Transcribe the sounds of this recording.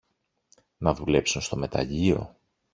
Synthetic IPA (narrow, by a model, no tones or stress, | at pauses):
nɐðule̞psunst̪o̞me̞t̪ɐ̰ʎio̞̰